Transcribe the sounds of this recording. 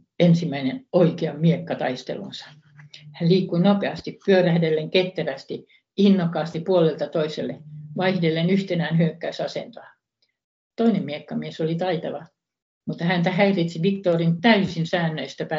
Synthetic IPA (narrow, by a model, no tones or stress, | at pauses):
ensimːæinenoikeɑmmiekːɑt̪ɑ̰ist̪ḛlṵnsɑ̥ | hælliːkːuinopeɑst̪ippyøræhdelːeŋket̪ːæʋæst̪i | inːokːɑːst̪ipuolelt̪ɑt̪oiselːeʋɑihdelːenyht̪enæːnhyøkːæysɑsḛnt̪oɑ | t̪oinemmiekːɑmiesolit̪ɑit̪ɑʋɑ | mut̪ːɑhænt̪æhæirit̪siʋikt̪oːrint̪æysinsæːnːøist̪æpæ